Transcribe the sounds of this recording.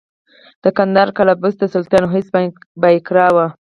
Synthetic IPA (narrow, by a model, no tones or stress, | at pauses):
d̪̥əkand̪ɑɾkalabusd̪əsʊlt̪jɑnoɦɪsbajkɾɑwa